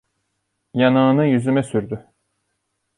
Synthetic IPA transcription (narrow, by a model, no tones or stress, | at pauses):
janɯːnɯjyzymɛsyɾd̪y